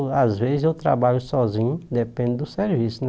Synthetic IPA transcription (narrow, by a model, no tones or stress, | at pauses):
azvezɪzewt̪ɾa̰baʎʊsɔzĩɲʊd̪epẽnd̪ɪd̪ʊseɾvisʊn